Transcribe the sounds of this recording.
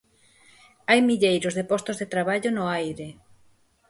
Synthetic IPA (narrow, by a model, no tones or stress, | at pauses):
ajmiʎejɾʊzðepɔst̪ozðet̪ɾaβaʎʊnʊajɾe